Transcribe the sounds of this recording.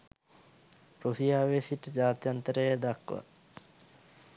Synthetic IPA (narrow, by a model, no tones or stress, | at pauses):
ɾusijaːʋesiʈəd͡ʒaːt̪jant̪əɾəjəd̪akʋa̰